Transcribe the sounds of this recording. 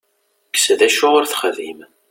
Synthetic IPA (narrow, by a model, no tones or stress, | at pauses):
kːsðæʃʊʁoɾθχəðim